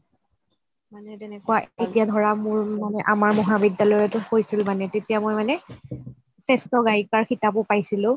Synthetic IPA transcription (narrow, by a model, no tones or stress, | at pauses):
manɛtɛnɛkʊwaetijadʱɔɹamuɹmanɛʔamaɹmɔɦabidjalɔjɛtʊhojsilmanɛtetijamojmanɛ | sɛstɔɡajikaɹxitapʊpajsilʊ̃